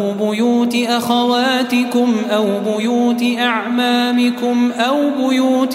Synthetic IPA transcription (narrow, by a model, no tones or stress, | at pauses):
bʊjuːt̪ɪʔaxawaːt̪ɪkʊmʔawbʊjuːt̪ɪʔaʕmaːmɪkʊmʔawbʊjuːt̪